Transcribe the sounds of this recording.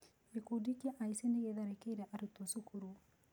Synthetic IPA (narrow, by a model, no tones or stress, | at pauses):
ekudikiɛʔaiseneɣeðaɾekeiɾɛʔaɾutosukʰuɾu